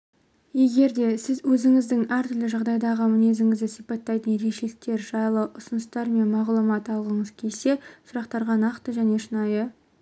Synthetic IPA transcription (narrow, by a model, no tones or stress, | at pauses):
je̞ɡʲe̞ɾd̪e̞sɪzwɵzɪŋɪzd̪ɪŋæɾt̪ʏɾlɪʒɑʁd̪ɑjd̪ɑʁəmɪne̞zɪŋɪzd̪ɪsijpɑt̪ːɑjt̪ənje̞ɾe̞kʃelɪk̚t̪e̞ɾʒɑjlˠəʔʊsʊnəst̪ɑɾme̞nmɑʁlˠumɑt̪ɑlˠʁəɴəz̥kʲʰelse̞sʊɾɑqt̪ɑɾʁɑnɑqt̪əʒæne̞ʃənɑjə